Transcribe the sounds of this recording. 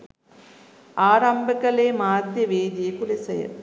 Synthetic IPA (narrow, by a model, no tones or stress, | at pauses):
aːɾɐmbɐkːɐɭeːmaːt̪jɐʋeːðɪjɐkʊɭɐsɛjɐ̰